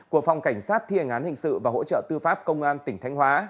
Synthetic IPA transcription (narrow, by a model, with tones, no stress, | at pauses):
ku˧˩ək̚fa˨˩wŋ͡mka˧˩jŋ̟saː˦˥t̪̚ʰi˧ə˨˩ŋʔaː˨˦nhï˧˨˩ŋ̟sɨ̰˧˨vaː˨˩ho̰˧˥t͡ɕə̰ː˧˨t̪ɨ˧faː˦˥p̚kə˧wŋ͡mʔaː˧nt̪ï˧˩ŋ̟t̪ʰjŋ̟hwaː˨˦